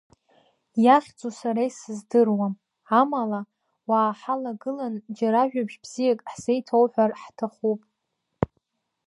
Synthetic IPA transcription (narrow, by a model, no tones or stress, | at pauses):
jaχʲd͡zʼusaɾajsɨzdɨrwam | amala | waːħalaɡɨland͡ʒaɾaʒᶣabʒbz̥ijakʼħse̞jtʰowħʷᶣarħtʰaχupʼ